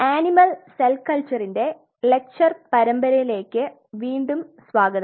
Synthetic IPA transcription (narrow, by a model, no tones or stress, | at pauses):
aːnimɐlselkɐlt͡ɕɐrinde̞ | le̞k̚t͡ɕɐrpɐɾɐmbɐɾɐjile̞ːkːɨ | ʋiːɳɖumsʋaːɡɐðɐ